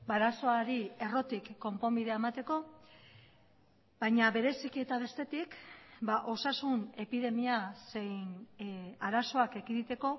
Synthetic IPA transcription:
baɾaso̞aɾie̞ro̞t̪ikːo̞mpo̞mbiðe̞aemat̪e̞ko̞ | bajɲaβe̞ɾe̞sikie̞t̪aβ̞e̞st̪e̞t̪ikbaʔo̞sasune̞piðe̞miase̞jn | aɾaso̞ake̞kiðit̪e̞ko̞

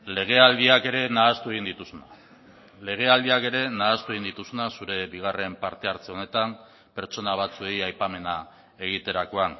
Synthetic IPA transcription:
le̞ɣ̞e̞ald̪iake̞ɾe̞naːst̪ue̞ɣind̪it̪usuna | le̞ɣ̞e̞ald̪iake̞ɾe̞naːst̪ue̞ɣind̪it̪usunasuɾe̞βiɣ̞are̞mpaɾt̪e̞aɾt͡se̞o̞ne̞t̪am | pe̞ɾt͡ʃo̞naβ̞at͡sue̞jajpame̞na | e̞ɣ̞it̪e̞ɾako̞an

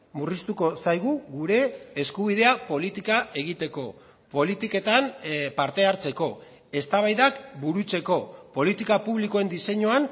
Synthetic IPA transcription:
murist̪uko̞sajɣ̞uɣuɾe̞ːskuβ̞ið̞e̞apo̞lit̪ikae̞ɣ̞it̪e̞ko̞ | po̞lit̪ike̞t̪anpaɾt̪e̞aɾt͡se̞ko̞ | e̞st̪aβajðakbuɾut͡se̞ko̞po̞lit̪ikapuβliko̞e̞nd̪ise̞ɲoan

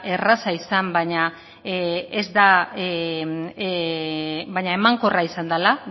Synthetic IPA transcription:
e̞rasaisambajɲa | ezd̪a | bajɲae̞maŋko̞raisand̪ala

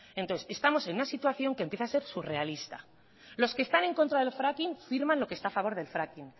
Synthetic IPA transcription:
ent̪oθse̞st̪amo̞se̞nunasit̪waθjo̞ŋkempje̞θase̞ɾsure̞alist̪a̰ | lo̞ske̞st̪anẽ̞ŋko̞nt̪ɾaðe̞lfɾakinfiɾmãnlo̞kest̪aːfaβo̞ɾðe̞lfɾakin

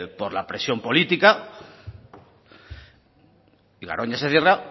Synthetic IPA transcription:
poɾlapɾesjo̞mpo̞lit̪ika | iɣa̰ɾʔoɲaseθjera

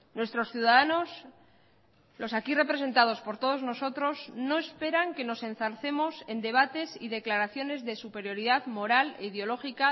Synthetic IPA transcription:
nwe̞st̪ɾo̞sθjuðaðano̞s | lo̞sakire̞pɾe̞se̞nt̪aðo̞spo̞ɾt̪o̞ð̞ozno̞so̞t̪ɾo̞zno̞e̞spe̞ɾaŋke̞no̞se̞nθalθe̞mo̞se̞nd̪e̞β̞at̪e̞siðeklaɾaθjo̞ne̞zðe̞supe̞ɾjo̞ɾiðaðmo̞ɾaleðjo̞lo̞xika

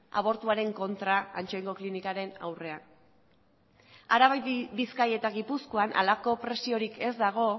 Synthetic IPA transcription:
a̰β̞o̞ɾt̪uaɾe̞ŋko̞nt̪ɾaant͡ʃo̞eŋɡo̞klinikaɾe̞na̰wre̞an | aɾaβajbiskaje̞t̪aɣipusko̞anʔa̰lako̞pɾe̞sio̞ɾikʰe̞zd̪aɣ̞o̞

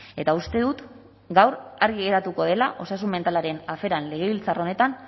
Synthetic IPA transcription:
e̞t̪aust̪e̞ðut̪ | ɡawɾaɾɣiɣe̞ɾat̪uko̞ðe̞laʔo̞sasume̞nt̪alaɾe̞nafe̞ɾanle̞ɣ̞e̞βilt͡saro̞ne̞t̪an

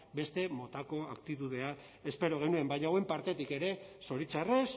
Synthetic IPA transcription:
be̞st̪e̞mo̞t̪ako̞akt̪it̪uð̞e̞a | e̞spe̞ɾo̞ɣ̞e̞nue̞mbajɲauwe̞mpaɾt̪e̞t̪ike̞ɾe̞so̞ɾit͡sares

